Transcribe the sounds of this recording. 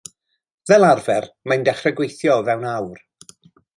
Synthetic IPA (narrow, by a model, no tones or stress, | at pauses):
ðɛlˠarvɛr | majndɛχrɛɡwejθjɔvɛwnawr